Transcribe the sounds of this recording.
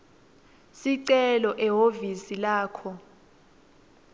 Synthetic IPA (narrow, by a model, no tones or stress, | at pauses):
siǀɛlɔʔɛɦovisilaːkʰɔ